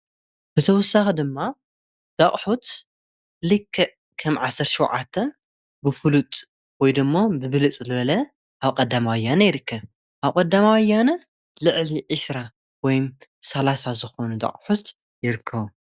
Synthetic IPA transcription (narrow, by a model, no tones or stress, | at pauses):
b̥ɨt̪ʰɐwɔsːaxid̪ɨmːa | d̪̥aχʼħut̪ | lɨkʰːɨʔ | kʰɐmʕasːɐɾt̪ʃiwʕat̪ʰːɐ | bɨfɨlut̪ʼ | wɔjd̪ɨmːobɨβɨlɨt͡sʼzɨβɐlɐ | ʔaβkʼɐd̪ːamawɐjːanɐjɪɾɨkʰːɐβ | ʔaβkʼɐd̪ːamawɐjanɐ | lɨʕliʕɨsɾa | wɔjmsɐlasazɨxo̞nud̪ɐ̰χʼħut̪ | jɪɾɨkʰːɐβu